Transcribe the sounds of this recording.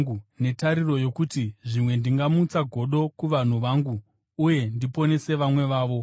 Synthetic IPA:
une̞taɾiro̞jo̞kutiʐimwe̞ndiŋɡamut͡saɡʱo̞ɗo̞kuʋan̤uʋaːŋɡuː | je̞ndipo̞ne̞se̞ʋamwe̞ʋaːʋo̞

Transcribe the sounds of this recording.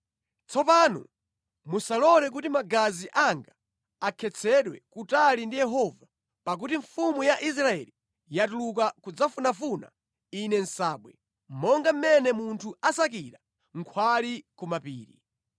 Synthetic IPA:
t͡sɔpanṵ | musalɔlɛk̬utimaɡaziʔaŋɡaː | kʰɛt͡sʰɛɗwɛ̰kutalindijɛɦɔva | pak̬utiɱfumujaʔis̬ɾaɛ̰li | jatuluk̬akud͡zafunafuna̰ | inɛn̩saːɓwɛ | m̩mɔŋɡam̩mɛnɛmuntʰuasakiɾa | ŋ̩kʰwalikumapḭːɾḭ

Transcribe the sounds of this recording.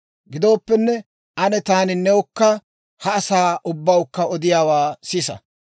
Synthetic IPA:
ɡɪd̪o̞ːpːɛnːɛ | ʔɐnɛt̪aːnɪnːɛwʊkːɐ | hɐːsaːʔʊbːɐwʊkːɐɔd̪ɪjaːwaːsɪːsɐ̰

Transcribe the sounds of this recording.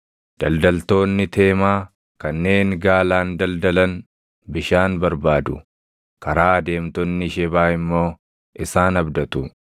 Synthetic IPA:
d̪̥ɐld̪ɐlt̪o̞ːnːɪt̪ʰe̞ːmaː | kɐnːe̞ːŋɡaːlaːnd̪ɐld̪ɐlɐn | bɪʃaːnbɐɾbaːd̪ʊ | kɐɾaːd̪e̞ːmt̪ɔnːɪʃɛbaːɪmːo̞ː | ʔɪsaːnɐbd̪ɐt̪ʊ

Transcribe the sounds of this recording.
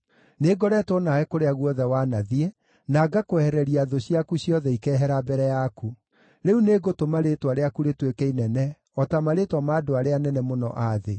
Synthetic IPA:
neɡɔɾɛtonaɛkoɾeaɣwɔðɛwanaðiɛ | naɡakoɛhɛɾɛɾiaðoɕiakuɕjɔðɛikɛːɦɛɾabɛɾɛjaku | ɾeuneːɡotomaɾetwaɾeakuɾetwekɛinɛnɛ | ɔtamaɾetwɔmaːdoaɾeanɛnɛmonɔ̰ʔaðe

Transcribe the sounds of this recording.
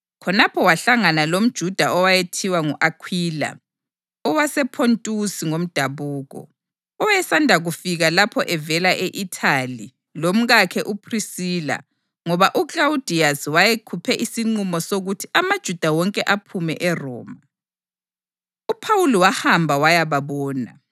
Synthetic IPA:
kʰɔnapʰɔwaɬaŋanalom̩d̥ʒ̥ʱud̥ʱaʔɔwajetʰiwaŋuʔakʰwiːla̰ | ɔwasɛpʰontʼusiŋom̩d̥ʱaβuːɣɔ̰ | ɔjɛsandʱaɣufiɣalapʰɔʔɛvɛlaʔeʔitʰali | lom̩ɣakʰɛʔupʰrisiːla̰ | ŋɔβaʔuklaud̥ʱiaswajekʰupʰɛʔisiŋ͡ǀumɔsoɣutʰiʔamad̥ʒ̥ʱud̥ʱawɔŋkʼɛʔapʰumɛ̰ʔɛrɔ̰ːma | upʰawuliwahambʱawajaβaβɔːna̰

